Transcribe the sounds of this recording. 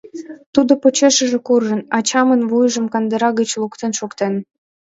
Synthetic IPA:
t̪ud̪opot͡ɕeʃəʒĕkurʒənɑt͡ɕɑmənβujʒəmkɑnd̪əɾɑɣət͡ɕlukt̪enʃukt̪en

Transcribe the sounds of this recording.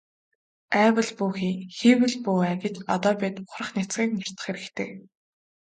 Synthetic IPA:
æːwə̆ɮpuːxiːxiwɘ̆ɮpuːæːɡɪ̆t͡ɕɔt̪ɔːpʲit̪ʊχrɾə̆χnit͡sɡiːkmɔr̥t̪ʰə̆χxeɾɘ̆kt̪ʰeː

